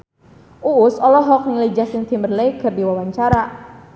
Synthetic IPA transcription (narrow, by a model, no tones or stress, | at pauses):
ʔuːsɔlɔɦɔk̚niled͡ʒasɪŋt̪ʰimərlejkərdiwawaɲt͡ʃaɾa